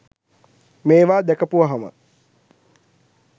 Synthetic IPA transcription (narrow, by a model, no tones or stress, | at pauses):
meːʋaːd̪ɛkəpuʋəɦamə̰